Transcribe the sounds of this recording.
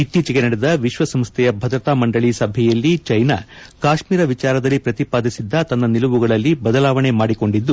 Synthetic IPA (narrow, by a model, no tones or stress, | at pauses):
it̪ːiːt͡ʃɐɡenɐɽɛd̪ɐʋiʃʋɐsɐmst̪ʰɛjɐbʱɐd̪ɾɐt̪aːmɐɳɖɐɭisɐbʱɛjɐlːit͡ʃɐjnɐ̰kaːʃmiːɾɐʋit͡ʃaːɾɐd̪ɐlːipɾɐt̪ipaːd̪isid̪ːɐt̪ɐnːɐnilɐʋuɡɐɭɐlːibɐd̪ɐlaːʋɐɳe̞maːɽiko̞ɳɖid̪ːu